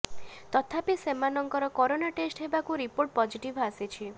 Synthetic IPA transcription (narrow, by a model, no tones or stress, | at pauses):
t̪ɔt̪ʰapisemanɔŋkɔɾɔkɔɾonaʈesʈɦebakuɾipoɾʈ̚pɔd͡ʒiʈibʱasit͡ʃʰi